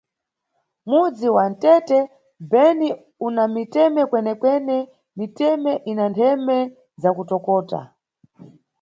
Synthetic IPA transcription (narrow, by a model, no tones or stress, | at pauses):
mud͡ziwantɛtɛ | bɛni | unamitɛmɛkwɛnɛkwɛnɛ | mitɛmɛʔinantʰɛmɛ | zakutɔkɔːta̰